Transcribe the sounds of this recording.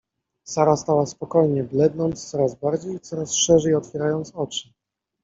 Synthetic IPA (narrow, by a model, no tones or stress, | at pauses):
saɾast̪awaspɔkɔjɲɛblɛd̪nɔnt̪st̪sɔɾazbaɾd͡ʑejit̪sɔɾasʂɛʐɛjɔt̪fʲjɛɾajɔnt̪sɔt͡ʂɘ̥